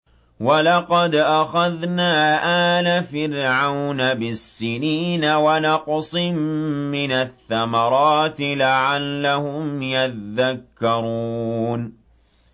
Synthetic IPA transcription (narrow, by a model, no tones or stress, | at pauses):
walɑqɑd̪ʔaxaðnaːʔaːnafɪɾʕawnabɪsːɪniːnawanɑqsˤɨmːɪnaθːamɑɾˤɑːt̪ɪlaʕalːahʊmjaðːakːɑɾuːn